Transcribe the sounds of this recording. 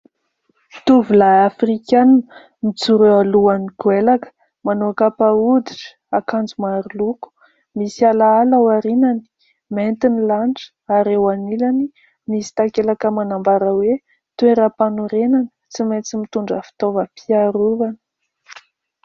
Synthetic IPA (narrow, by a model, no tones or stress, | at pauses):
t̪uvulaafrikannə | mit͡suɾealuaniɡuelakə̥ | manoakapaud̪iʈ͡ʂə̥akand͡zumaɾuluku̥ | misalaalawaɾinani̥ | ment̪inilanʈ͡ʂə̥aɾewanilani | misi̥t̪akelakəmanambaɾəwe | t̪ueɾapanuɾenanət͡simet͡simit̪uɳɖ͡ʐəfi̥t̪ovəpʰiaɾuɾanə̥